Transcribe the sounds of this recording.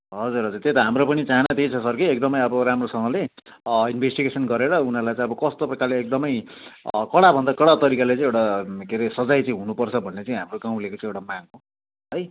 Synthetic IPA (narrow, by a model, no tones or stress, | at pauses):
ɦʌd͡zurɦʌd͡zut̪et̪ʌɦamropʌnit͡saɦanat̪it͡sʰʌsʌrkiek̚d̪ʌmʌjʌbʌɾamrosʌŋɡʌleinbʱesʈiɡesʌnɡʌɾeɾʌunalajt͡saĩʌbʌkʌst̪oprʌkarleek̚d̪ʌmʌj | kʌɽabʱʌnd̪akʌɽat̪ʌɾikalet͡sãĩewʈakeɾesʌd͡zajt͡saĩɦunupʌrt͡sʰʌbʱʌnːet͡saĩɦamroɡaw̃lekot͡saĩewʈamaɡo | ɦʌj